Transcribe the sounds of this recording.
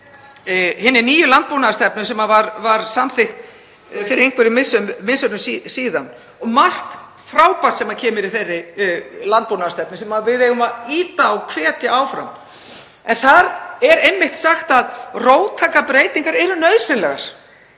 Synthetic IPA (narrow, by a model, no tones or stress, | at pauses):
hɪnːɪniːjʏlant̪̚puwnaðst̪ɛpnʏsɛmavaɾvaɾsamθɪxt̪ | fɪɾɪɾejŋkʰvɛɾɪmɪsːʏmːmɪnsœnʏmsisiːðan | ɔɣmar̥t̪ | fɾaːwpḁt̪sɛmaðcʰɛːmɪɾɪθejrːɪlant̪̚pownast̪ɛpnɪsɛmaðvɪðejɣʏmaðiːt̪aawkʰv̥ɛːt̪jɪaːwfɾa̰m | ɛnθaðɛɾejmːɪht̪saxt̪aðroːwt̪ʰaːkapɾeːjt̪iŋkaɾɛɾʏnœðsɪnlɛɣa̰ɾ̥